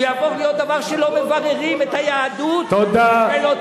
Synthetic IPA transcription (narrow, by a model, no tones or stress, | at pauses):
javo̞ʁlijot̪̚d̪avaʁʃelo̞mevaʁeʁimet̪hajaːd̪ut̪od̪aelo